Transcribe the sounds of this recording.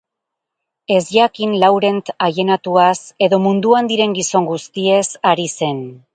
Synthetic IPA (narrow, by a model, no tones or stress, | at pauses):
e̞zjakinlawɾe̞nt̪aʝe̞nat̪uase̞ðo̞mund̪uand̪iɾe̞ŋɡiso̞ŋɡust̪ie̞saɾise̞n